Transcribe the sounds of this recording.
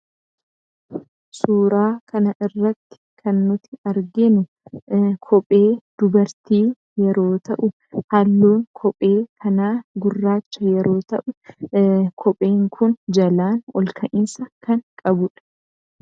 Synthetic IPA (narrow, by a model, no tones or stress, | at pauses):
suːɾaːkɐnɐʔɪrːɐt̪ːɪ̥kʰɐnːʊt̪ɪ̥ɐɾɡɪnʊ | kʰɔpʼeːd̪̥ʊbɐɾt̪iː | jɛɾoːt̪ɐʔʊ | hɐlːuːŋkʰɔpʼeːkʰɐnaːɡʊrːaːt͡ʃːɐjɛɾo̞ːt̪ɐʔʊ | kʰɔpʼe̞ːŋkʰʊnd͡ʒɐlaːnɔlkʰɐʔɪnsɐkɐŋkʼɐbʊᶑɐ̥